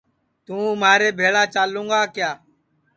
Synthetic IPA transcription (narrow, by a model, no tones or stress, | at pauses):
t̪ũːmaːɾeːbʱeːɭaːt͡ʃaːlũːŋɡaːkjaː